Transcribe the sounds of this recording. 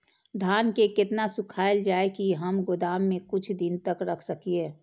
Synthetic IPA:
d̪ʱaːnkekɪt̪nasʊkʰaːəld͡ʒaːekiɦəmɡʊd̪aːmːẽkʊt͡ʃʰd̪ɪnt̪əkɾɐkʰsɐkieː

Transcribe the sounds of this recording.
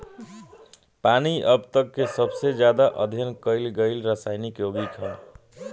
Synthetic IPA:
paniʔəbt̪əkːesəbsed͡ʒjad̪aʔəd̪ʱjənkəɪlɡəɪlɾəsaɪnikjoɡikʰəl

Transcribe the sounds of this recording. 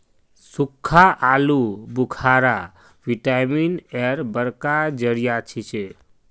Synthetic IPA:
sukʰːaʔalubukʰaɾa | ʋiʈaminɛɾbəɾkad͡ʒəɾijat͡ʃʰit͡ʃʰe

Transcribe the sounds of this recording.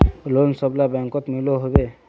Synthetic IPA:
lonsɔblabaŋkɔt̪miloɦobe

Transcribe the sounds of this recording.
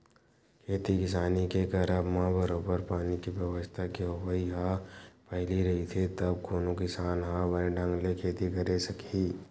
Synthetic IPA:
kʰeːt̪ikɪs̬aːnikekɐɾəbmabəɾoːbəɾpaːnikibjəʋəst̪ʰakeoʋəiɦapɛɦliɾɐɦit̪ʰit̪ɐb̚koːnokɪsaːnɦabɐɖʱə̃ŋɡlekʰeːt̪ikɐɾesɐkʰiː

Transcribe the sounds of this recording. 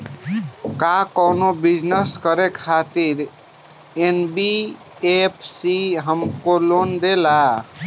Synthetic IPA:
kakəwnobid͡ʒnəskəɾekʰat̪iɾ | enbi | epʰsiɦəmkolond̪ela

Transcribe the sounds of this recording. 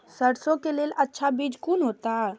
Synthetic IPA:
səɽsõkelelətːʃʰabid͡ʒkunɦot̪a

